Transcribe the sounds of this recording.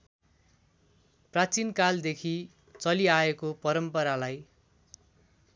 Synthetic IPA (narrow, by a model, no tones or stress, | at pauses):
prat͡sinkald̪ekʰi | t͡sʌliaekopʌɾʌmpʌɾalaj